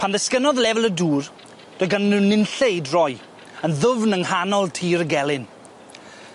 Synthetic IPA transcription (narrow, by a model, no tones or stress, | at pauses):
pʰanðəskənɔðlɛvɛlˠəduːr | d̥ɔɡannunːɪnɬejdrɔj | ənðʊvnəŋhanɔlˠtʰiːɾəɡɛlˠɪn